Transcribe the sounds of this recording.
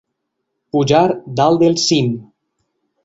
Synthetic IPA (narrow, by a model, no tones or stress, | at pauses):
puʒaɾd̪alˠd̪elˠsim